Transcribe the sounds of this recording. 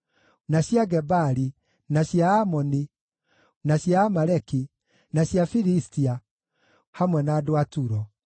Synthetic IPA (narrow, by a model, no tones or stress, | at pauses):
naɕjaɡɛbaɾi | naɕjaːmɔni | naɕjamaɾɛki | naɕjafiɾistia | hamwɛnaːdoatuɾɔ